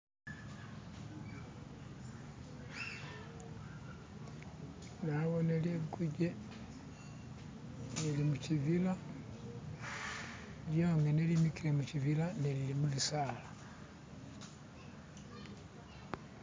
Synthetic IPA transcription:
naβɔnɛlɛkuɟɛ | nelimut͡ʃivila | ljoŋɡɛnɛlimikilɛmut͡ʃivilanɛlilimulisala

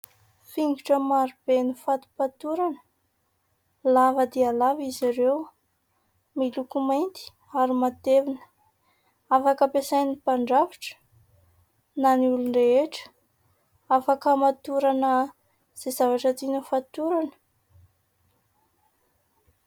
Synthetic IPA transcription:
fiŋɡuʈ͡ʂəmaɾub̥enifat̪u̥pat̪uɾanə | lavəd̪ealaviziɾew | milukumajnt̪i̥ | aɾimat̪evinə̥ | afakəpesajnipaɳɖ͡ʐaviʈ͡ʂə̥ | naniulunreeʈ͡ʂə̥ | afakəmat̪uɾanə | z̥ezavaʈ͡ʂət̪inufat̪uɾanə̥

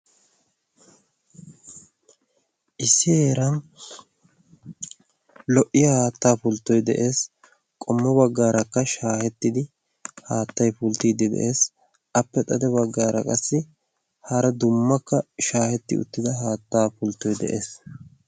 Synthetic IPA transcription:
ʔɪsːɪheːɾɐn | lɔʔɪjɐhaːt̪ːaːpʊlt̪ːɔjd̪ɛ̰ʔe̞ːs | kʼɔmːɐbɐɡːaːɾɐkːɐʃaːhɛt̪ːɪd̪ɪ | haːt̪ːɐjpʊlt̪iːd̪ɪd̪ɛ̰ʔe̞ːs | ɐpːɛt̪ʼɐd̪ɛbɐɡːaːɾɐ̰kʼɐsːɪ | hɐɾɐd̪ʊmːɐkːɐʃaːhɛt̪ːɪ̰ʊ̰t̪ːɪd̪ɐɦaːt̪ːaːpʊlt̪ːɔjd̪ɛ̰ʔe̞ːs

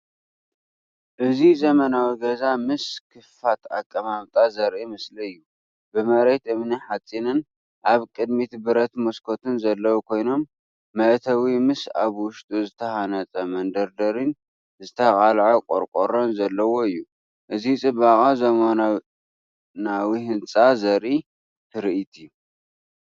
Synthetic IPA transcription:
ʔɨzizɐmɐnawiɡɐzamɨskʰɨfat̪a̰kʼːɐmamt̪ʼazɐɾʔimɨsliɨjːu | bɨmɐɾet̪ɨmniħat͡sʼːinɨn | ʔaβkʼɨd̪mit̪bɨɾɐt̪moskʰo̞t̪ʰɨnzɐlːɐwukʰo̞jno̞mː | ɐʔt̪ʰɐwimɨsaβwʊʃt̪ʼuzɨt̪ʰɐhanɐt͡sʼɐmɐnd̪ɐɾd̪ɐɾin | zɨt̪ʰɐxʼalʕakʼo̰ɾkʼoɾonzɐlːɐwo̞ɨjːu | ʔɨzit͡sʼɨbaχʼazɐma | nawihɨnt͡sʼazɐɾʔi | t̪ʰɨɾɨit̪ʰiju

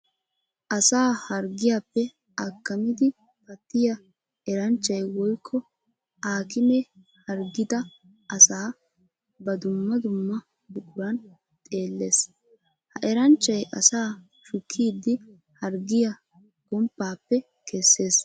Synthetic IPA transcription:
ʔɐsaːhɐɾɡɪjapːɛ | ɐkːɐmɪd̪ɪ | pɐt̪ːɪjɐ | ɛɾɐnt͡ʃːɐjwɔjkʰːɔ | ʔaːkɪmɛ | hɐɾɡɪd̪ɐ | ʔɐsaː | bɐd̪ʊmːɐd̪ʊmːɐ | bʊkʼʊɾɐn | t̪ʼe̞ːlːe̞ːs | hɐʔɛɾɐnt͡ʃːɐjʔɐsaː | ʃʊkʰːiːd̪ːɪ | hɐɾɡɪjɐ | ɡ̥ɔmpːaːpːɛ | kɛsːe̞ːs

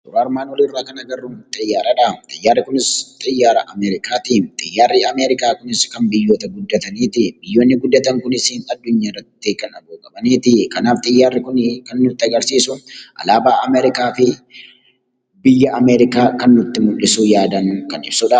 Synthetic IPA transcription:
d̪ʊɾaːɾmaːnwɔlirːaːkɐnɐɡɐrːunt̪ʼɐjːaːɾɐᶑɐt̪ʼɐjːaːrːɪkʊnɪst̪ʼɐjːaːɾɐʔɐmɛːɾɪkaːt̪iːt̪ʼɐjːaːrːɪɐmeːɾɪkaːkʊnɪskɐnbɪjːoːt̪ɐɡʊd̪ːɐt̪ɐniːt̪ɪbɪjːoːnːɪɡʊd̪ːɐt̪ɐŋkʊnɪsiːnɐd̪ːʊɲːaːɪrːɐt̪ːɪkɐnɐɡuːkʼɐbɐniːt̪ɪkɐnaːft̪ʼɐjːaːrːɪkʊnkɐnːʊt̪ːɪɐɡɐɾsiːsʊʔɐ̰laːbaːʔɐmɛːɾɪkaːfɪ | bɪjːɐʔɐmɛːɾɪkaːkɐnːʊt̪ːɪmʊlːɪsujaːd̪ɐŋkɐnɪ̰bsʊᶑɐ

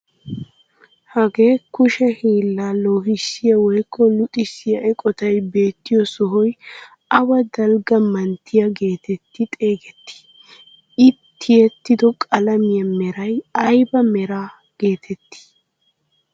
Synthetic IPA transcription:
hɐɡe̞ːkʊʃɛhiːlːaːlo̞ːɦɪsːɪjɐwɔjkːɔlʊt̪ʼɪsːɪjɐʔɛkʼɔt̪ɐjbe̞ːt̪ːɪjɔsɔɦɔj | ʔɐwɐd̪ɐlɡɐmɐnt̪ʰːɪjɐɡe̞ːt̪ɛt̪ːɪt̪ʼe̞ːɡɛt̪ːɪ̥ | ɪt̪ʰːɪjɛt̪ːɪd̪ɔkʼɐlɐmɪjɐmɛɾɐjɐjbɐmɛɾaː | ɡ̥e̞ːt̪ʰɛt̪ːɪ̥

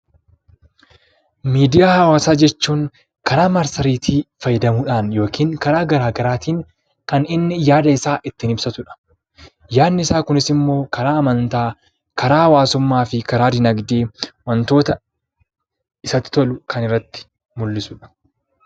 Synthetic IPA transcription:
miːd̪ɪjaːhɐwaːsaːd͡ʒɛt͡ʃːuːŋ | kɐɾaːmɐɾsɐɾiːt̪ifɐjɛd̪ɐmuːᶑaːnjo̞ːkiːŋkɐɾaːɡɐɾaːɡɐɾaːt̪iːŋ | kɐnɪnːɪjaːd̪ɐɪsaːʔɪt̪ːɪnɪbsɐt̪ʊᶑɐ̥ | jaːnːɪɪsaːkʊnɪsɪmːo̞ːkɐɾaːɐmɐnt̪aː | kɐɾaːwaːsʊmːaːfɪkɐɾaːd̪ɪnɐɡd̪eːwɐnt̪o̞ːt̪ɐ | ɪsɐt̪ɪ̥t̪ɔlʊkɐnɪrːɐt̪ːɪ̥ | mʊlːɪsʊᶑɐ̥

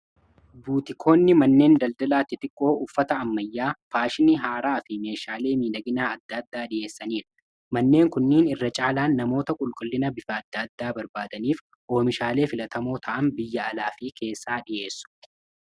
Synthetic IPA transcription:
buːt̪ɪkʰo̞ːnːɪmɐnːe̞ːnd̪ɐld̪ɐlaːt̪ːɪt̪ɪkʼːo̞ːʊfːɐt̪ɐːmːɐjːaːfaːʃɪniɦaːɾaːfɪme̞ːʃaːle̞ːmiːdɐɡɪnaːɐd̪ːɐd̪ːaːᶑɪje̞ːsːɐniːɾɐ̥ | mɐnːe̞ːŋkʊnːiːnɪrːɐt͡ʃʼaːlaːnːɐmo̞ːt̪ɐkʼʊlkʼʊlːɪnɐbɪfɐːd̪ːɐd̪ːaːbɐɾbaːd̪ɐniːf | ʔo̞ːmɪʃaːle̞ːfɪlɐt̪ʰɐmo̞ːt̪ʰɐʔɐnbɪjːɐːlaːfɪkʰe̞ːsːaːᶑɪʔe̞ːsːʊ̥

